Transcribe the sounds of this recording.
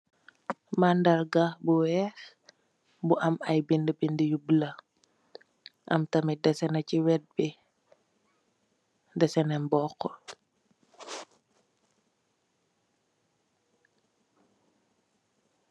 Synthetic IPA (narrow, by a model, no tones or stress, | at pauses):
mandɐɾɡabuwɛːx | buʔɐmɐjbindəbindəjublɐ | ʔɐ̰mtɐmidɛsɛnɐciwɛd̚bi | dɛsɛnɛmbɔqːɔ